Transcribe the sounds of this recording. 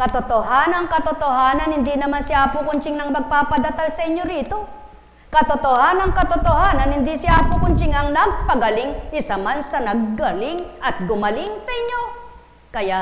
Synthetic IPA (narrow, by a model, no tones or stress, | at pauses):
kɐt̪ot̪oɦanɐŋkɐt̪ot̪ohaːnɐnhɪnd̪inɐmansɪʔapʊkʊnt͡ʃɪŋnɐŋmɐɡ̚paːpɐd̪ɐt̪alsɐʔɪɲjo̞ɾiːt̪o̞ | kɐt̪ot̪ohanɐŋkɐt̪ot̪ohaːnɐnhɪnd̪isɪʔaːpʊkʊnt͡ʃɪŋɐŋnɐɡ̚pɐɡɐlɪŋɪsɐmansɐnɐɡ̚ːɐlɪŋɐt̪̚ɡʊmɐlɪŋsɐʔɪɲːo̞ | kɐja